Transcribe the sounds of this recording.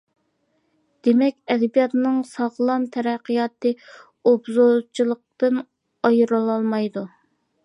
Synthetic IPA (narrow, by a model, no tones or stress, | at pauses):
d̪̥emɛkʲɛd̪ɛbijɑt̪nɨŋsɑʁlˠɑmt̪ʰɛɾæqʰːijɑt̪ɨ | obzot͡ʃʰilˠəq̚t̪ɨn | ɑjɨɾɨlˠɑlˠmɑjd̪u